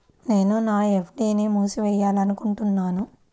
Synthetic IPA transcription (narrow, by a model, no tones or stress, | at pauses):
ne̞ːnunaːepʰɖiːnimuːsiʋɛjːaːlɐnukuɳʈunːaːnu